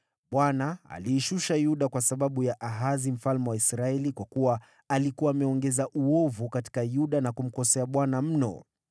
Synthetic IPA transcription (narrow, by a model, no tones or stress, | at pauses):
ɓwanaa̰liːʃuʃajuɗakwasaɓaɓujaʔaɦazim̩falmɛwaisɾaɛlikwakuwaː | likuwaːmɛɔŋɡɛzaʔuɔvukati̥kajuɗanakum̩kɔsɛaɓwanam̩nɔ̰